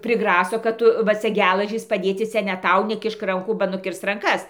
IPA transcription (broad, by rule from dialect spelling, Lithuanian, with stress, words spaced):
pʲrʲɪˈɡrɑːsoː kɐt ˈtʊ ʋɐ ˈt͡sʲɛ ˈɡʲæːlˠɐʒʲiːs pɐˈdʲeːt͡sʲɪ ˈt͡sʲɛ nʲɛ ˈtɐʊ nʲɛˈkʲɪʃk ˈrɐŋkuː bɐ nʊˈkʲɪrs rɐŋˈkɐs